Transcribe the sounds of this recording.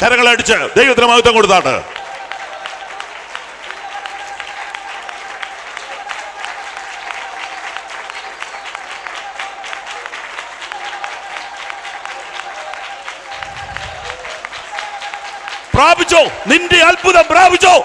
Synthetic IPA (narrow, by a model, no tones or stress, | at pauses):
k̪ɐɾɐŋːɐɭeɐɽit͡ɕːɨd̪ejʋɐt̪inɐmɐɣut̪ːɐŋkoɽut̪ːaːʈɨ̰ | praːbʱit͡ɕːoːnindeɐlbuðɐmpraːbʱit͡ɕːoː